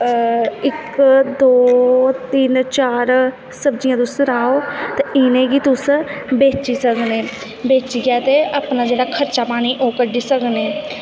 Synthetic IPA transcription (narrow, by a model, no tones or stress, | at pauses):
ɪkd̪oːt̪iːnt͡ʃaːɾ | səbd͡ʒijãːd̪ʊsəɾaːoːt̪eɪnẽːɡiːt̪ʊsbeːt͡ʃiːsəkneː | beːt͡ʃiɡaːt̪eəpnaːd͡ʒeːɽaːkʰəɾt͡ʃaːpaːñiːʔoːkəɾɖisəkneː